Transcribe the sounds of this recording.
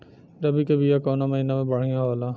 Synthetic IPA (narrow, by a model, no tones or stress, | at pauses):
ɾɐbikebijakoːnaməɦinamẽbəɽ̤ijãɦoːlaː